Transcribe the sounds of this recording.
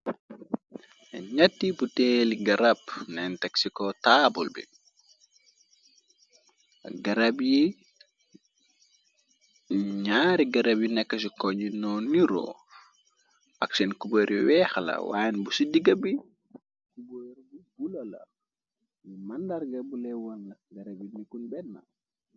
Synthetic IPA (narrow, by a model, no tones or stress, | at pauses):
ɲatːiputɛːliɡɐɾapnɛntɛksikɔtaːbulbḭ | ɡɐɾabji | ɲaːɾiɡɐɾɐbjinɛkːɐs̬ikɔɲinɔniɾɔ̰ | a̰ksɛnkuboɾiwɛːxlɐ̰wa̰ːjɛnbusidiɡɐbi | kuboɾbibulolɐ̰ | jimandaɾɡɐbulɛwɔnlɐɡɐɾabjinikunbɛnːa̰